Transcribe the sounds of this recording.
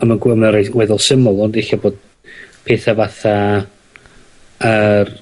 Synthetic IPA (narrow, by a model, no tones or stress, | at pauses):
əmanɡwɛmnɾeɡwɛðɔlˠsɪmʊlˠɔndexaboːd̥ | pʰeːθavaθa | ər